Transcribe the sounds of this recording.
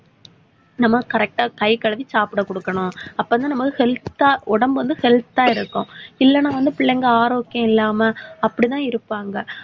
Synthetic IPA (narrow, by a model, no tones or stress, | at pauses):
nɐmːɐkɐɾɛk̚ʈaːkɐɪkɐɭɐʋit͡ʃaːpɯɽɐkːɔɽɯkːɐɳʊ̃ɐpːɐːnːaːnɐmːɐkːɯhɛlt̪ːaːʔɔɽɐmbʋɐnd̪ɯhɛlt̪ːaːɪɾɯkːʊ̃ɪlːɐnːãːʋɐnd̪ɯpɪɭːɐŋɡɐaːɾoːkjɐ̃ɪlːaːmɐɐpːɐɽit̪ãːɪɾɯpːaːŋɡɐ